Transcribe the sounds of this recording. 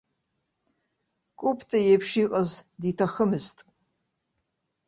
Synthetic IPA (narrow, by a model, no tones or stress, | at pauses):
kʷʼupʰtʰʼɐjepʰʂiːqʼɐzditʰɐxɐmɨstʼ